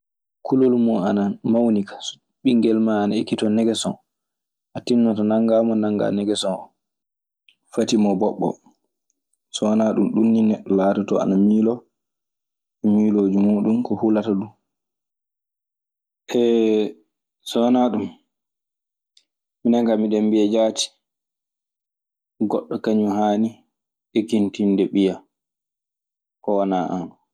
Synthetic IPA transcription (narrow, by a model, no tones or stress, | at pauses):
kʰulolmɔanamawnikʰḁs | ɓiŋɡɛlmaːnaekːitɔnɛɡɛsɔ̰n | ʔatinːatɔnaŋɡamɔnaŋɡa̰nɛɡɛsɔnɔ | fatimɔbɔɓːɔ̰ | sɔnaɗumɗunːinɛlaːtɔtɔa̰namiːlɔ | ɛmiloːd͡ʒumuːɗumkɔhulatɔɗu | ʔɛ | sɔnaɗum | minaŋɡamiɗɛmbiɛd͡ʒaːti̥ | ɡɔɗːɔkaɲuɦaːni | ʔɛkintindɛɓija | kɔwanaʔanɔ